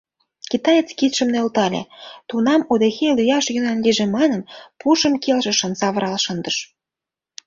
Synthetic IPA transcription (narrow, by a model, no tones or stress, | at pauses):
kit̪ɑjet͡skit̪ʃə̆mnølt̪ɑlʲḛt̪unɑmod̪exelyjɑʃjynənliʒemɑnənpuʃə̆mkelʃə̆ʃə̆nsɑβəɾɑlʃənd̪əʃ